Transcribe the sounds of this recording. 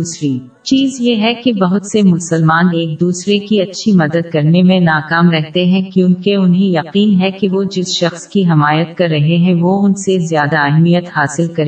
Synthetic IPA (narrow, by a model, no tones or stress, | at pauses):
uːsɾiː | t͡ʃiːzjeɦɛkebɐɦʊt̪semʊsəlmaːneːk̚d̪uːsɾekiɐtːʃʰimɐd̪əd̪̚kɐɾnemẽnaːkaːmɾɛɦt̪eɦɛ̃kjũːkeʊnɦẽjɐqiːnɦɛkeʋod͡ʒɪsʃɐxskiɦɪmaːjət̪kɐɾːɐɦeɦɛ̃ʋoʊnsezjaːd̪aɛɦmijət̪haːsɪlkɐɾeː